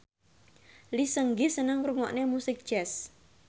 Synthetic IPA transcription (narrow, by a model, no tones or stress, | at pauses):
lisəŋɡisənəŋruŋɔʔnemusɪk̚ʒ̥ɛs